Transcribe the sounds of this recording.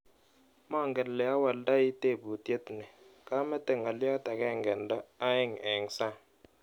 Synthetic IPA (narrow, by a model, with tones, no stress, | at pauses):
mɔ˦˨ŋɡɛ˨nlɛ˨a˦wa˨lda˦i˦te˦˨bu˨te˦tnɛ˨ka˦mɛ˦tɛ˨ŋa˨ljɔ˦ta˨kɛ˦˨ŋɡɛ˨ndɔ˦a˦e˦˨ŋ˨ɛ˨ŋ˨sa˦